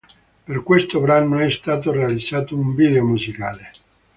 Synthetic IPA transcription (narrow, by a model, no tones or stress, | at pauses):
perkwest̪obɾanːoɛst̪aːt̪orealid̪zːaːt̪ouɱvid̪eomuzikaːle